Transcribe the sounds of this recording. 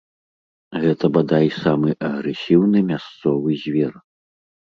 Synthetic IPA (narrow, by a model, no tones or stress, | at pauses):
ɣɛt̪ɐbad̪ajsamɨʔɐɣɾɛsʲiwnɨmʲast̪sɔvɨzʲvʲɛr